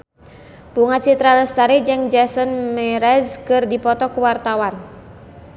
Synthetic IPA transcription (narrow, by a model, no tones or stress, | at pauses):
puŋat͡ʃit̪ɾaləst̪aɾid͡ʒɨŋd͡ʒasənmɛɾɛzkɨrdipɔt̪ɔkuwart̪awan